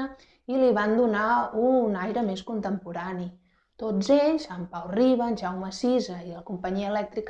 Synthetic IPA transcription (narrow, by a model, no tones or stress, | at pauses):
ə | iliβand̪unaunajɾəmeskunt̪əmpuɾani | t̪ozeʎsampawriβənʒawməsizəiləkumpəɲiəlɛk̚t̪ɾik